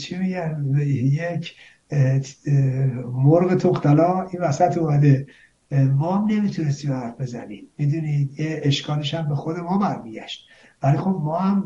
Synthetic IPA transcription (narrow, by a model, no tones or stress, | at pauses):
t͡ʃʰimiɟænjecʰ | moɾɣet̪ʰoqt̪ʰælɒːinvæsæt̪ʰumæd̪e | mɒːhæmne̞miːt̪ʰunest̪iːmææfbe̞zæ̰nḭːmmid̪uniːd̪jeeʃkɒːleʃæmbe̞xod̪e̞mɒːbæɾmiːɟæ̰ʃt̪̚ | vælixo̞bmɒːhæm